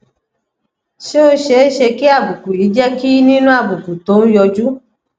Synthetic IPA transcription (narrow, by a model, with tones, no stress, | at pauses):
ʃe˦o˦ʃe˨˦ʃe˧ki˦a˦˨bu˨ku˨i˨˦d͡ʒɛ˦ki˦nĩ˦nũ˦a˦˨bu˨ku˨to˨˦n̩˦jɔ˧d͡ʒu˦